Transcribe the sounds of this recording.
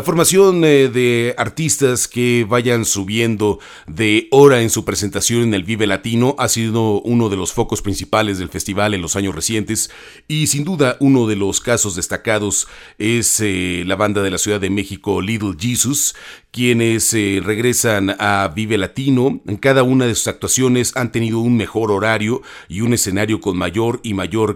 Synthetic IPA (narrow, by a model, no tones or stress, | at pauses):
lafoɾmasjo̞nðe̞aɾt̪ist̪askeβaʝansuβje̞nd̪o̞ | ðe̞o̞ɾae̞nsupɾese̞nt̪asjo̞nene̞lβiβe̞lat̪ino̞ʔasiðo̞uno̞ð̞e̞lo̞sfo̞ko̞spɾinsipale̞zðe̞lfe̞st̪iβale̞nlo̞saɲo̞sre̞sje̞nt̪e̞s | isind̪uðaʔuno̞ðe̞lo̞skaso̞zðe̞st̪akaðo̞s | e̞slaβand̪aðe̞lasjuðaðe̞me̞xiko̞liðlʝisuskje̞ne̞sre̞ɣɾe̞sanaβiβe̞lat̪ino̞eŋkaðaunaðe̞su̥sak̚t̪wasjo̞ne̞sant̪e̞niðo̞unme̞xo̞ɾo̞ɾaɾjo̞ | iune̞se̞naɾjo̞ko̞nmaʝo̞ɾimaʝo̞ɾ